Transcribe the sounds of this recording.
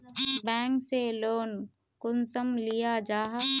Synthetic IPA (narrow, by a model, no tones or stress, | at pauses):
bɛ̃ːŋkseloːn | kʊnsəmlɪijad͡ʒaːɦa